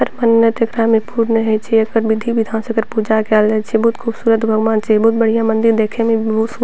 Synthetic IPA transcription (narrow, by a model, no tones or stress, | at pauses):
ɐɾmɐnət̪jɐkɾaːmẽpuːɾneɦet͡ʃʰeɐkəɾbɪd̪ʱiʋɪd̪ʱãːnsəkəɾpud͡ʒakɛlːet͡ʃʰebɔːt̪kʰuːbsuːɾət̪bʱɐɡʋãːnt͡ʃʰebɔːt̪̚bɐɽ̤ijãmɐ̃nd̪ɪɾd̪eːkʰemẽbosu